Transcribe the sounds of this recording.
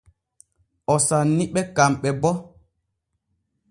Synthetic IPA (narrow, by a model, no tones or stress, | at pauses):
ɔsanːiɓɛkamɓɛbɔ